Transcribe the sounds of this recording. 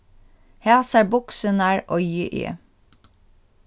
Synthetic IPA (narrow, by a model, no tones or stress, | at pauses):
hæːsæːbʊksənæːɹʔɔjəʔḛː